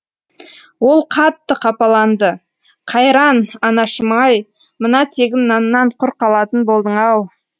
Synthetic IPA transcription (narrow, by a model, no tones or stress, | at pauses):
wo̞lˠqʰɑt̪ːəqʰɑpɑlˠɑnd̪ə | qʰɑjɾɑnɑnɑʃəmɑj | mənɑt̪ʰe̞ɡʲɪnːɑnːɑɴqʰʊɾqɑlˠɑt̪ənbo̞lˠd̪əɴɑw